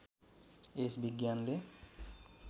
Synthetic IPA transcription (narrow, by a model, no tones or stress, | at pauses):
esbiɡjanle